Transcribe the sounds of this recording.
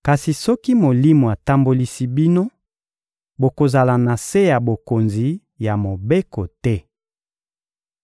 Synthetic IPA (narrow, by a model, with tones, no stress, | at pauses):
ka˨si˨sɔ˦ki˦mo˨li˦mo˨a˨ta˦mbo˦li˦si˦bi˦no˦ | bo˨ko˨za˨la˨na˨se˦ja˨bo˨ko˨nzi˨˦ | ja˨mo˨be˦ko˨tɛ˦